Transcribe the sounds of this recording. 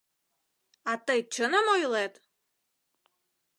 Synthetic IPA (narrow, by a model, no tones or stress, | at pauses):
ɑt̪əjt͡ɕə̆nəmojlet̪